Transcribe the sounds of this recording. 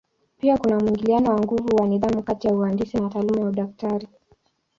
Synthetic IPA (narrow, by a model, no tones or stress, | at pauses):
piakunamwiŋɡilianɔwaŋɡuvuwaniðamukatijauandisinataːlumajauɗaftaɾi